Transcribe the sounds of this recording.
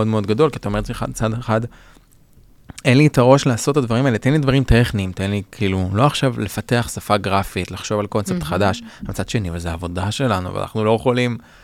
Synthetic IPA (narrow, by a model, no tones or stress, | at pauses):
odmeo̞d̪ɡado̞lkiat̪aometliχa̰t͡sadeχad | e̞nlitaʁo̞ʃlaːso̞tːad̪vaʁimaelet̪enlidvaʁimteχniːmt̪enlikʰiːlulo̞aχʃavle̞fate̞aχsafaɡʁafitlaχʃo̞valko̞nt͡sep̚t̪χadaʃamt͡sad̪ʃe̞nivezeaːvo̞daʃe̞lanṵva̰nʔa̰χnulojeχo̞lim